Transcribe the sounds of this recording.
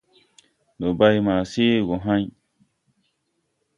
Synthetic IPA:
no˨ba˦jmaː˨se˦˨ɡo˨ɦã˦ɲ

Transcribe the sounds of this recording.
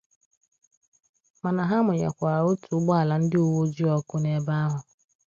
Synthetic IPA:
ma˨na˨ɦa˦mʊ˨ɲa̰˨kʷa˨ɾa˨o˦tu˨˦ɡ͡ba˦a˨la˨n̩˦dɪ˦u˨wo˦d͡ʒi˦ɔ˦kʊ˦ne˨ba˦a˦ɦʊ˨

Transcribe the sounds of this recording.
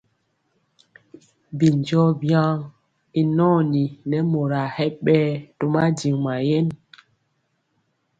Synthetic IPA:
bi˨n˨d͡ʒɔ˦bja˦ŋ | i˨nɔ˦˨ni˨nɛ˨˦mo˨ɾa˨hɛ˦ɓɛː˦to˦ma˦d͡ʒi˨ŋma˨jɛ˦n

